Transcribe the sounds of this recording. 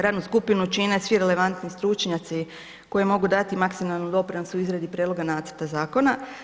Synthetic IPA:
ɾaːd̪nuskupinut͡ʃinesʋiɾele̞ʋant̪nist̪ɾut͡ʃɲat̪si | ko̞jemo̞ɡud̪at̪imaksimalˠnud̪o̞pɾenosuizɾad̪ipɾjed̪lo̞ɡanaːt̪sə̥ɾt̪azaːko̞na

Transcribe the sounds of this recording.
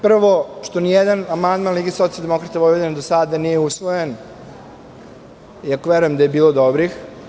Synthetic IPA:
pr̩ʋoʂt̪o̞nijɛd̪anamand̪manliɡeso̞t̪ialˠd̪emo̞kɾat̪aʋoed̪enad̪osad̪anijeusʋojen | iakoʋeɾujemd̪aje̞biːlˠod̪obɾix

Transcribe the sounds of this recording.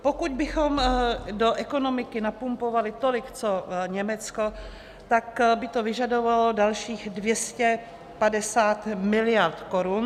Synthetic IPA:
pokuɟbɪxo̞mdoʔɛko̞nomɪkɪnapumpovalɪt̪olɪkt͡soɲɛmɛt͡sko̞ | t̪akbɪt̪ovɪʒado̞valodalʃiːxdvjɛscɛ | padɛsaːt̪mɪlɪjaɾt̪ko̞ɾun

